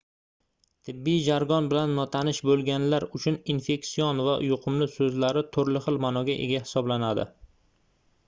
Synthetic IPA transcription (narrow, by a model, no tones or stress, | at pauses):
t̪ʰɪbːijd͡ʒaɾɡɒnbɪlanːɒt̪ʰanɪʃbolˠɡʲanlaɾʊt͡ʃʰʊninfe̞ksijɒnva̰jʊqʰʊmlɪsɵzlaɾɪt̪ʰʊɾlɪχɨlˠmanɒɡʲaʔḛɡʲahɪ̥sɒblanad̪ɪ̰